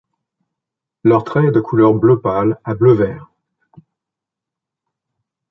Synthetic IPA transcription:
lœʁt̪χɛːd̪əkʰulœʁbløpalabløvɛːʁ

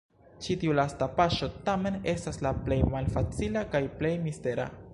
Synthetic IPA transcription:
t͡ʃitiulastapaʃo̞tame̞ne̞staslaple̞jmalfat͡silakajple̞jmiste̞ɾa̰

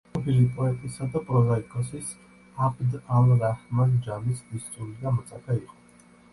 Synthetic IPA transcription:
ɔbilipʼɔɛt̪ʼisad̪apʼɾɔzaikʼɔsis | apʰʼd̪alɾahmand͡ʒamisb̪ist̪t̪ʼuɾiɡ̪amɔt̪sʼaɡaiqʼɔ̥

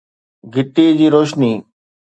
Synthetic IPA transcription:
ɡʱɪʈ̪iːd͡ʑiːɾoːʃniː

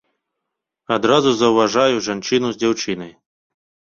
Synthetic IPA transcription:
ɐd̪ɾɑzʊzɐwʋɐʒɑjʊʒɐnt͡ʃɪnʊzʲdʲawt͡ʃɪnɪj

